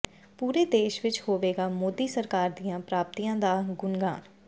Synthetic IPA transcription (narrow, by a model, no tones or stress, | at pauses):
puːɾeːd̪eːʃʋɪt͡ʃhoːʋeːɡaːmoːd̪iːsəɾkaːɾd̪ijãːpɾaːp̚t̪iːjãːd̪aːɡʊnɡa̰ːn